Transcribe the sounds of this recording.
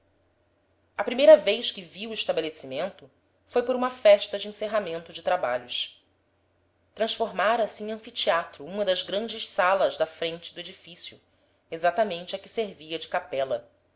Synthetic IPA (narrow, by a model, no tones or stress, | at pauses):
ɐpɾimejɾɐvejʃkɪviwʊiʃt̪abelesimẽnt̪ʊ | fojpʊɾũmɐfɛʃt̪ɐd͡ʒɪẽseɦamẽnt̪ʊd͡ʒɪt̪ɾaba̰ʎʊʃ | t̪ɾɐ̃ʃfoɾmaɾɐsɪẽŋ̃ɐ̃fit͡ʃiat̪ɾʊũmɐd̪ɐzɡɾɐ̃nd͡ʒɪʃsalɐzd̪ɐfɾẽnt͡ʃɪd̪ʊed͡ʒifisjʊ̰ | ezat̪ɐmẽnt͡ʃɪɐkɪseɾviɐd͡ʒɪkapɛlɐ